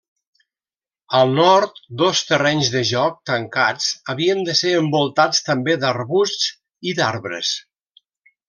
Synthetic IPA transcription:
əlˠnɔɾt̪d̪ost̪ərɛɲzðəʒɔk̚t̪əŋkat͡səβiənd̪əseɾəmbulˠt̪at͡st̪əmbed̪əɾβustt͡s | iðaɾβɾə̰s

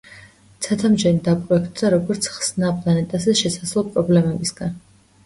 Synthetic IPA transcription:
t̪ʰat̪ʰamd͡ʒɛnid̪apʼɾɔɛk̚ʰt̪ʼd̪aɾɔɡɔɾt̪sʰχsnapʼlˠanɛt̪ʼazɛʃɛsaslˠlˠpʼɾɔblɛmɛbisɡ̥an

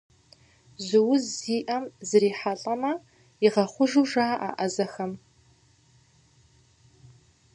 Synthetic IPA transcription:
zɨwʊziːʔɐmzɨɾiːħaɬʼɐmɐ | iʁɐχʷʊʒuʒaːʔa̰ʔɐzɐxɐm

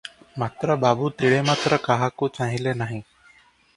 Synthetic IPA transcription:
mat̪ɾəbabuːt̪iɭemat̪ɾəkaɦakot͡sãɦilenaɦi

